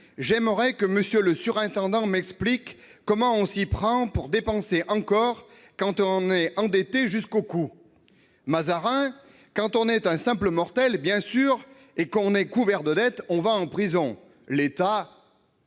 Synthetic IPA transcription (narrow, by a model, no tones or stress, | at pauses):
ʒɛmʁɛkəməsjøləsyʁɛ̃t̪ɑ̃d̪ɑ̃mɛksplikː | ɔmɑ̃ɔ̃sipχɑ̃puʁd̪epɑ̃seʔɑ̃kɔʁ | kɑ̃t̪ɔ̃nɛɑ̃d̪et̪eʒyskoku | mazaʁɛ̃ | kɑ̃t̪ɔ̃nɛt̪ɛ̃sɛ̃pləmɔʁt̪ɛlbjɛ̃syʁ | ekɔ̃nɛkuvɛʁd̪əd̪ɛt̪ɔ̃vaɑ̃pχizɔ̃ | let̪a